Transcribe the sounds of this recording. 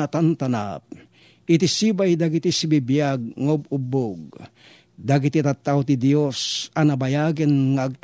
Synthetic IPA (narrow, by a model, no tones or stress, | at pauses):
at̪ant̪ana̰p̚ | ʔɪt̪isibajd̪aɡit̪isibibjaɡ̚ŋaʊbuboɡ̚ | d̪aɡit̪it̪at̪ːawt̪id̪josanɐbajaɡɪnŋaaɡ̚t̪